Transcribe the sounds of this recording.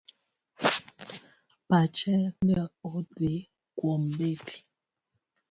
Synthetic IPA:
pat͡ʃɛnɛɔde | kwɔmbetʰi̥

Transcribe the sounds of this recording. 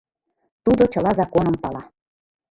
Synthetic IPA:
t̪ud̪ot͡ɕɤ̆lɑzɑkonɤ̆mpɑlɑ

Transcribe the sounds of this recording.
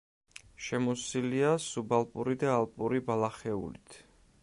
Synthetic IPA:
ʃɛmɔsiliasubalˠpʼuɾid̪aːlˠpʼuɾibalˠaχɛṵlḭt̪ʰ

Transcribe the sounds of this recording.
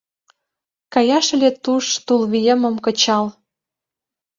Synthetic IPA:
kɑjɑʃĕlet̪uʃt̪ulβijə̆mə̆mkə̆t͡ɕɑl

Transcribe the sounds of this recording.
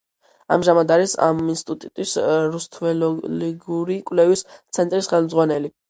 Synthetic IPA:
a̰mʒamad̪aɾisa̰minst̪ʼut̪ʼut̪ʼisɾust̪ʰvɛlɔliɡuɾikʼwlɛvist̪sʰɛnt̪ʼɾisχɛlˠmdzʁwanɛli

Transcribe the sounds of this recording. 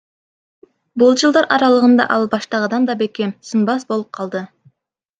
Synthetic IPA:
bʊlˠd͡ʒəlˠd̪ɑɾɑɾɑlˠəʁənd̪ɑ̰ʔɑlˠbɑʃt̪ɑʁəd̪ɑnd̪ɑbekʲe̞msɨnbɑsbo̞lˠəp̚qʰɑlˠd̪ə

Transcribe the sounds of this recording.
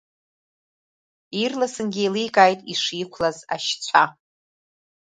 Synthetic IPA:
irlasɨnɡʲijlijkʼajtʼiʂikʷʰlaza̰ʃt͡sʷʰa

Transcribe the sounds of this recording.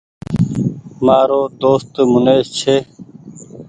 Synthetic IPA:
maːɾoːd̪oːst̪mʊneːst͡ɕʰeː

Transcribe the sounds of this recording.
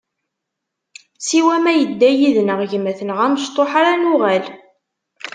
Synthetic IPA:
siwæmæjəd̪ːæjiðnəʁʝəmːæθənəʁæməʃt̪ˤoħaɾanʊʁæl

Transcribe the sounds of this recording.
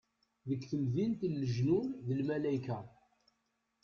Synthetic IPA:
ðəkːθəmðint̪əlːəʒnunðəlmælæjka

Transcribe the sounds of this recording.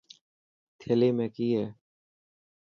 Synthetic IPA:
t̪ʰeːleːmẽːkiːɦeː

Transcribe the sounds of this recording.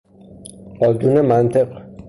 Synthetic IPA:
bɒːd̪unemænt̪ʰe̞ɢ

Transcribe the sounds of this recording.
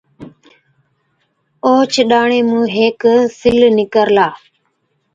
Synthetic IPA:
oːt͡ʃʰɗaːɳeːmũːɦeːksɪlnɪkəɾlaː

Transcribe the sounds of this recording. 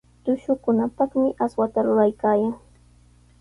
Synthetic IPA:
t̪ʊʃʊkʊnapɑχmɪʔaswat̪aɾʊɾajkaːjaŋ

